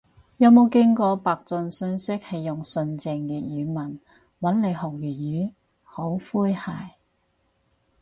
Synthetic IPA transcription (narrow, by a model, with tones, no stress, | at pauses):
jɐ˨˧wmo˨˧wkɪ˥ŋkɔː˧paː˨k̚t͡sɵ˧nsɵ˧˥nsɪ˥k̚hɐ˨jːʊ˨˩ŋsɵ˧nt͡sɪ˧ŋjyː˨t̚jyː˨˧mɐ˨˩n | wɐ˨˥nle˨˧jɦʊ˨˩k̚jyː˨˩jyː˨˥ | ho˨˥wfuː˥jhaː˨˩j